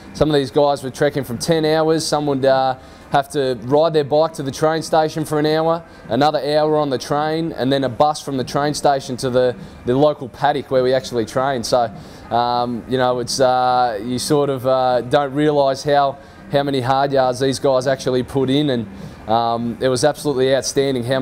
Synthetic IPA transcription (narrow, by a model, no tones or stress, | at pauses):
sʌ̃mʌvðizɡaɪzwə˞tʰɹ̥ækɪ̃ŋfɹʌ̃mtʰɛ̃naʊə˞z̥sʌ̃mwəd̚ʌ | hæftɨɹaɪd̪̚ðə˞bɑɪk̚tʰɨðɨtʰɹ̥ẽɪ̃nsteɪʃɨ̃nfə˞ɨ̃naʊə˞ | ʔɨnʌðə˞aʊə˞ə̃nðɨtʰɹ̥ẽɪ̃nɨ̰̃nðɨ̃nəbʌsfɹʌ̃mðɨtʰɹ̥ẽɪ̃nsteɪʃɨ̃ntʰɨðɨ | ðɨloʊkl̩ˠpʰæɾɨkwə˞wiæk̚t͡ʃul̩ˠitʰɹ̥ẽɪ̃nd̥soʊ | ʌ̃mjɨñoʊɨtsʌjɨsɔɹɾʌvʌdõʊ̃nt̚ɹiəlaɪz̥haʊ | haʊmɛniɦɑɹd̚jɑɹdzðizɡaɪzæk̚t͡ʃul̩ˠipʰʊɾɪ̃nɨ̃n | ʔʌ̃mɪt̚wʌzæb̥səlutˡliaʊtstæ̃ndɪ̃ŋɦaʊ